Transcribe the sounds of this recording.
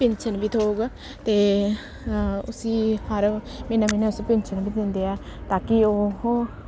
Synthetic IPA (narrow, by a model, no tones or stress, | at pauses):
pɪɲt͡ʃʰənbiːt̪ʰoːuɡ | t̪eː | ʊsiːhəɾmeːnãːmeːnɛːʊsipɪ̃ɲt͡ʃʰənbiːd̪ɪ̃nd̪eːɛːt̪aːkɪoːɦ